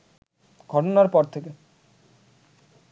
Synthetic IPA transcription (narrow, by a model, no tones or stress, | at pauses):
ɡʱɔʈonaɾpɔɾt̪ʰeke